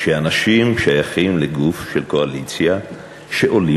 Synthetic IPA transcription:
ʃeanaʃimʃajaχimleɡufʃelko̞alit͡sja | ʃe̞ʔo̞li

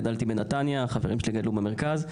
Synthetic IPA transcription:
dalt̪ibenatanjaχaveʁimʃeliɡad̪lubeme̞ʁkaz

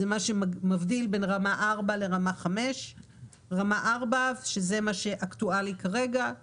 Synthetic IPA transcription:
emaʃemavdilbe̞nʁamaʔaʁbale̞ʁamaχame̞ʃ | ʁamaʔaʁbavʃezemaʃe̞ʔaktualikaʁe̞ɡa

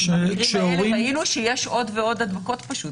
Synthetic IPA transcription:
ʃeʁiʃeoʁiainuʃejeʃo̞dveo̞dadmako̞tpaʃut

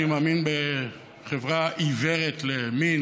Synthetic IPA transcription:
imaːminbe | χevʁaʔiveʁetlemin

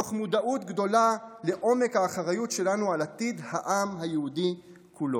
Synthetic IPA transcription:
oχmud̪aʔut̪ɡd̪o̞lale̞ʔo̞me̞khaːχaʁajutʃe̞lanualat̪id̪haʔamɦajeud̪i | kʰulo

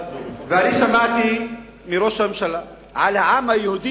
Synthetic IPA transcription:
veaniʃamaʕt̪i | miɾoʃammʃala | ʕalhaʕamhajehud̪i

